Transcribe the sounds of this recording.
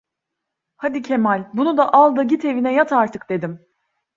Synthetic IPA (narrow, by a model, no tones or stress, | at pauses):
had̪icʰe̞malʲbunud̪aʔalˠd̪aɟit̪ʰe̞vinɛjat̪ʰaɾt̪ʰɯkd̪e̞d̪im